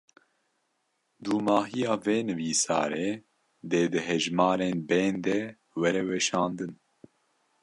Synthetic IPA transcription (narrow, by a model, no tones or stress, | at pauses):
d̪uːmɑːɦijɑːveːnɨviːsɑ̰ːɾeː | d̪eːd̪ɨɦɛʒmɑːɾeːnbɛːnd̪ɛ | wɛɾɛwɛʃɑːnd̪ɨn